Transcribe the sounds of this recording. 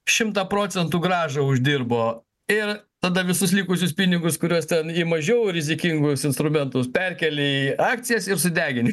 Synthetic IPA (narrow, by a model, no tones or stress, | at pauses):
ʃʲɪmt̪ɑpɾoːsʲɛnt̪uːɡɾɑːʒɐʊʒʲd̪ʲirboː | ɪrt̪ɐd̪ɐʋʲɪsʊslʲiːkʊs̬ʲʊspʲinʲɪɡʊskʊɾʲuɔst̪ʲɛnimɐʒʲɛːʊɾʲɪzʲɪkʲiŋɡʊsɪnst̪ɾʊmʲɛnt̪ʊspʲɛɾʲkʲɛlʲeiɑːk̚tsʲɪjɛsɪɾsʊd̪ʲæːɡʲɪnʲɪ